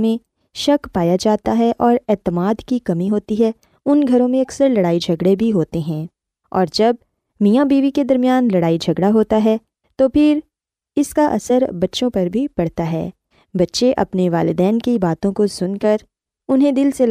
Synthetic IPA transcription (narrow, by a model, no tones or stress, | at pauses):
mẽ | ʃɐkpaːjad͡ʒaːt̪aɦɛʔɔːɾɛːt̪əmaːd̪kikɐmiɦoːt̪iɦɛ | ʊnɡʱɐɾõmẽɐksəɾlɐɽaːid͡ʒʱɐɡɽebʱiɦoːt̪eɦɛ̃ː | ɔ̰ːɾd͡ʒɐb̚ | mijabiːʋiked̪ɐɾmijaːnlɐɽaːid͡ʒʱɐɡɽaɦoːt̪aɦɛ | t̪oːpʰɪɾ | ɪskaʔɐ̰səɾbɐtːʃõpɐɾbʱipɐɽ̤t̪aɦɛ̰ː | bɐtːʃeʔɐ̰pneʋaːlɪd̪ɛːnkibaːt̪õkosʊnkɐɾ | ʊnɦẽd̪ɪlsel